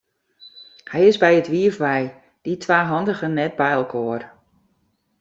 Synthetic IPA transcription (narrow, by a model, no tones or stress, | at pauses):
hɛjɪzbɛjətʋiəfʋɛj | d̥itʰʋaːɦɔndəɣənɛt̚bɛjəlˠkʰoːər